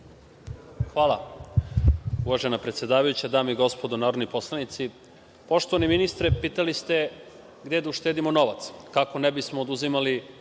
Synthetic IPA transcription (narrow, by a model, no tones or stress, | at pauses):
xʋaːlˠa | uʋaʒe̞napɾet̪sje̞d̪aːʋajut͡ɕad̪aːmeiɡo̞spo̞d̪onaːɾo̞d̪nipo̞slanit̪si | po̞ʃt̪oʋaneminist̪ɾepiːt̪alist̪e̞ | ɡd̪ed̪auʃt̪e̞ːd̪imo̞no̞ʋat̪skako̞nebismoːd̪uzimali